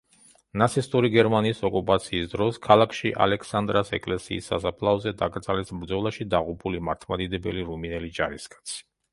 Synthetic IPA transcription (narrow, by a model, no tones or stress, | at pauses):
nat̪sʰist̪ʼuɾiɡɛɾmaniːsɔkʼupʼat̪sʰiːsd̪ɾɔskʰalˠakʰʃiʔa̰lɛkʰsand̪ɾasɛ̰kʼlɛsḭːsːa̰sapʰlˠaɔzɛd̪aɡɾt̪sʼalɛsbɾd̪zɔlˠaʃid̪aʁupʰulimaɾt̪ʰmad̪id̪ɛbɛliɾuminɛlid͡ʒaɾiskʼḁt̪sʰi̥